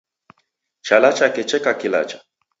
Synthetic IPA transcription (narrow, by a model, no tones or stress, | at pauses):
t͡ʃalat͡ʃakɛt͡ʃɛkakila̰t͡ʃḁ